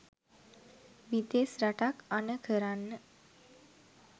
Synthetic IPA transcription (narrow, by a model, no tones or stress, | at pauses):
ʋit̪esɾaʈakanəkʰəɾanːə